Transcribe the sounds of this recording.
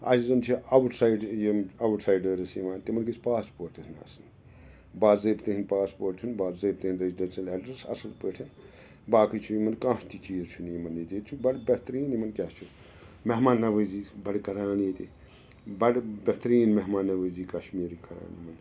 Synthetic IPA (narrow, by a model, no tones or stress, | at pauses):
a̰ːsizɐnt͡ʃʰiɐwʈsajɖjeɐwuʈsajɖəɾɐsiʋaːnt̪imɐnɡisʰpaːspoːɾʈina̰ːsɐn | baːzɐːbt̪iɦinpaːspoːɾʈʰiinbaːzɐːb̚t̪ihinɾeziɖensɐleɖɐɾsɐ̰sɐlpəʈʰɐn | baːkit͡ʃʰujimɐnkãːst̪ʰit͡ʃiːzt͡ʃʰunimɐnit̪it͡ʃʰubɐʈbet̪ɾiːnimɐnkʲat͡ʃʰu | meɦmaːnːɐʋəzibɐɽkɐɾaːnit̪i | bɐɽbʲet̪ɾiːnmeɦmaːnːɐʋəːziːkɐʃmiːɾikɐɾa̰ːnimɐn